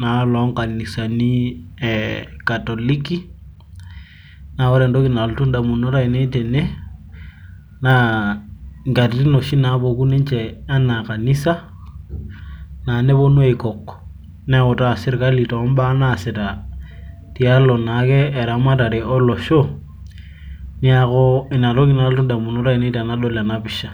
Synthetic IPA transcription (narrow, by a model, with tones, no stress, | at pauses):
na˨˦lɔ˨˦ŋka˨ni˨sa˨ni˦ɛka˨tɔ˨li˦ki˦ | na˨ɔ˦ɾɛ˨ndɔ˦ki˨na˨ltu˦nda˨mu˨no˦ta˦i˨ne˦tɛ˨ne˦ | na˦ | ŋɡa˨ɾɾi˦no˨ʃi˦na˨˦bo˨ku˦ni˦nt͡ʃɛ˨a˦na˨ka˨ni˦sa˦ | na˨ne˦bo˦nu˦e˨kɔ˨k | nɛ˦ko˨ta˦˨sɪ˦ɾka˦li˨tɔ˨˦m˦ba˦na˦˨sɛ˨ta˨ | ti˨a˦lɔ˨na˨˦kɛː˦˨ɾa˨ma˦ta˨ɾe˨ɔ˦lɔ˨ʃo˦ | ni˦a˦kɔ˦i˨na˨lo˦ki˦na˨ltu˦nda˨mu˨no˦ɾa˦i˨ne˦ta˨na˦ɗo˦la˨na˦pi˨ʃa˨